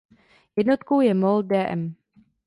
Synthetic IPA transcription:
jɛdnot̪kowjɛmol̚dɛːʔɛ̰m

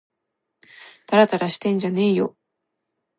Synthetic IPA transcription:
t̪aɾat̪aɾaɕi̥t̪ẽ̞ɲ̟d͡ʑane̞ːjo̞

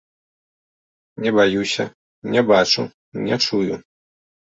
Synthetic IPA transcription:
nʲɛbajusʲɐ | nʲɛbat͡ʂu | nʲɛt͡ʂuju

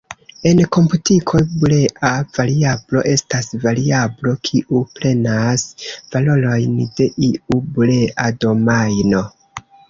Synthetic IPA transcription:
e̞nko̞mputikʰo̞bule̞ʔav̥aɾiablo̞̰ʔe̞stasvaɾiablo̞kʰiʔupɾe̞nasv̥alo̞lo̞jnde̞ʔiuble̞ʔado̞majno̞

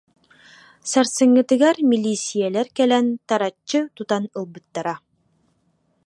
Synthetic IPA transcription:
saɾsɯ̆ŋːɯ̆t̪ɯ̆ɡaɾmʲilʲːisʲijɛlæɾkɛlɛnt̪aɾat͡ɕːɯt̪ut̪anɯlˠbɯt̪ːaɾa

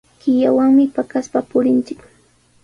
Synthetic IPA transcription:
kɪjawaŋmɪpakaspapʊɾɪnt͡ʃɪk

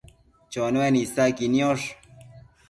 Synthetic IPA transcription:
t͡ɕonowenisakinjoʂ

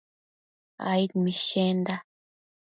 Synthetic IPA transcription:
a̰itmiʃenda

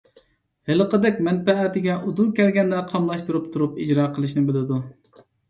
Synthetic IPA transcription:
helˠəqəd̪ɛkʲmɛnpɛːt̪ɪɡʲɛʔud̪ulˠkʲɛlɡʲɛnd̪ɛqʰɑmlˠɑʃt̪uɾup̚t̪ʰuɾupid͡ʒɾɑːqʰəlˠɨʃ̬nɪbɪlɪd̪u

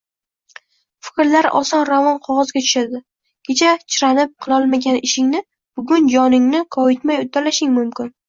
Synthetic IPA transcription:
fɪ̥kʲɾlaɾɒ̰sɒnɾavɒnqʰɒʁɒzɡʲat̪ʰʊ̥ʃad̪ɪ | kʲʰe̞t͡ʃʰat͡ʃʰɪɾanɪp̚qʰɨlˠɒlˠmaɡʲanɪʃɪŋnɪ | b̥ʊɡʊnd͡ʒɒnɪŋnɪkʰɒjɪt̪majʊt̪ʰːalaʃɪŋmʊmkʲɪn

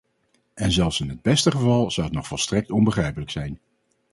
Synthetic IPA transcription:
ʔɛnzɛlˠfsɪnɦəd̚bɛstəχəvɑlˠz̥ʌwətnɔχfɔlˠstrɛk̚tɔnbəχrɛjpələksɛjn

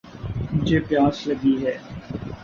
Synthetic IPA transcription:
mʊd͡ʒʱeːpjaːsləɡiɦɛː

